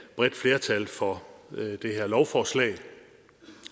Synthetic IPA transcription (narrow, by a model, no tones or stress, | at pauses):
b̥ʁɛd̥fle̝ːɐt͡sʰælfɒ̽d̥e̝ɦeɐlɒʊfɒːslɛ̰ɪ